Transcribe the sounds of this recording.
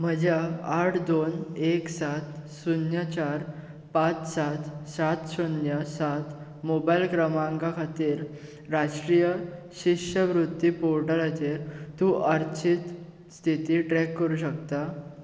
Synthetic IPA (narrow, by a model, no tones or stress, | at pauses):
m̤əd͡ʑjaaʈʰd̪oneksat̪sunjat͡ɕaɾ | pat͡ssat̪sat̪ɕunjəsat̪ | mobajlkɾəmaŋkakʰat̪iːɾ | ɾaʂʈɾijə | ɕiʂəʋɾud̪ːipoɾʈəlat͡ɕeɾt̪uːʔəɾt͡ɕʰit̪ | st̪ʰit̪iʈɾɛkːəɾuːɕəkt̪a